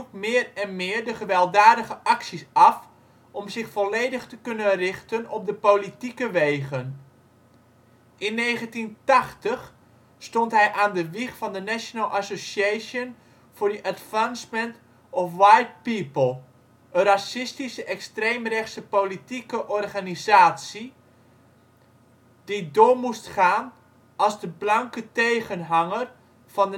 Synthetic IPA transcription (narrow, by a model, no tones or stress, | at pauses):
ukmɪːrɛnmɪːrdəχəʋɛlˠdaːdəɣəʔɑksisɑf | ʔɔmzɪxfɔleːdəxtəkønənrɪxtənɔp̚dəpolitikəʋeːɣən | ʔɪnːeːχəntintaxtəx | stɔntɦɛjʔaːndəʋixfɑndənɛʃjonalˠʔasosaːsjən | fʊːɹdəʔadvansmənt | ɔfʋajt̚pipəlˠ | ənrasɪstisəʔɛkstrejmrɛχsəpolitikəʔɔrχanizaːtsi | d̥idʊːɹmustχaːn | ɑlˠzdəblɑŋkətejχənɦɑŋər | v̥ɑnə